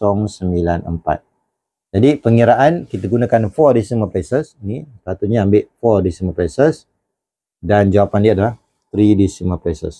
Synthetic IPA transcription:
sɔŋsəmbilanə̰mpa̰t̪̚ | d͡ʒadipəŋiɾaʔankit̪aɡunakanfɔdisəmapesəsinipat̪uɲaːmbɪʔfɔrdisəmapesəs | dand͡ʒawapandiadalah | t̪ɾidisimapesə̰s

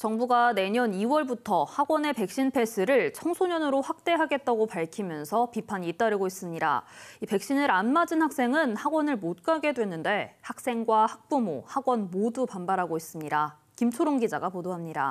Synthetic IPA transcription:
t͡ɕʌŋbuɡane̞ɲʌniwʌɭbutʰʌhaɡwʌne̞pe̞k̚ɕ͈inpʰe̞sʰɯɾɯɭt͡ɕʰʌŋsʰoɲʌnɯɾoɸwak̚t͈e̞ɦaɡe̞t̚t͈aɡopaɭkʰimjʌnsʰʌpipʰaɲiːt͈aɾɯɡois͈ɯmɲida̰ipe̞k̚ɕ͈inɯɾanmad͡ʑɯnhak̚s͈e̞ŋɯnhaɡwʌnɯɭmot̚k͈aɡe̞dwe̞nːɯnde̞hak̚s͈e̞ŋɡwahak̚p͈umohaɡwʌnmodupanbaɾɦaɡois͈ɯmɲida | kimt͡ɕʰoɾoŋɡid͡ʑaɡapodoɦamɲida̰

